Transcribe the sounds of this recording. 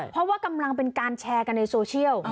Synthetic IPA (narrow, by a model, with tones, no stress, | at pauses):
pʰɔ˦˥waː˥ka˧mla˧ŋpe˧nkaː˧nt͡ɕʰɛː˧ka˧nːa˧jsoː˧t͡ɕʰi˥˩əw